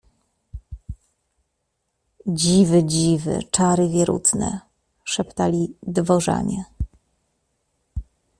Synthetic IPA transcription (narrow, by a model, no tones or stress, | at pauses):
d͡ʑivɘd͡ʑivɘ̰t͡ʂaɾɘvʲjɛɾṵt̪nɛ̰ | ʂɛpt̪alʲid̪vɔʐa̰ɲɛ